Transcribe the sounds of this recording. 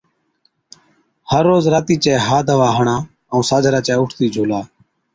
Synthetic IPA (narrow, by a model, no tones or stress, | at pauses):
həɾːoːzɾaːt̪iːt͡ʃɛːɦaːd̪ʱəʋaːɦəɳaː | əũːsaːd͡ʒʱɾaːt͡ʃɛːʊʈʰt̪iːd͡ʒʱuːlaː